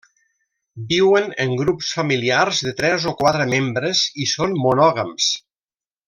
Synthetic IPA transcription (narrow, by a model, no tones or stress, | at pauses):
biwənəŋɡɾupsfəmiliarzðət̪ɾɛzokwat̪ɾəmembɾəzisonmunɔɣəms